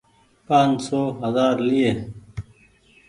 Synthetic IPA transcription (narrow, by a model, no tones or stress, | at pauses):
pãːnsoːɦɐzaːɾlieː